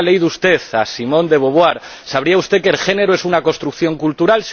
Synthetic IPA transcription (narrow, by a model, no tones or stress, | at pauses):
lejðust̪e̞θasimõ̞nd̪e̞β̞o̞βwaɾ | saβ̞ɾiaust̪e̞kelxe̞ne̞ɾoesunako̞st̪ɾukθjo̞ŋkult̪uɾals